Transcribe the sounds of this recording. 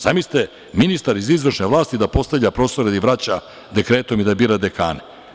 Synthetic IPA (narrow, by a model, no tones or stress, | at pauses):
z̥amist̪e | minist̪aɾizizʋrʃneʋlˠaːst̪id̪apo̞st̪avʎʲapɾo̞ːst̪oɾed̪aiʋɾat͡ɕa | d̪e̞kɾe̞ːt̪o̞mid̪abiːɾad̪eka̰ːne